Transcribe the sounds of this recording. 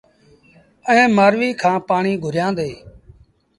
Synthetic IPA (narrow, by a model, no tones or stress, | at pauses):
əẽːmaːɾʋiːkʰãːpaːɳiːɡʱʊɾjãːnd̪eː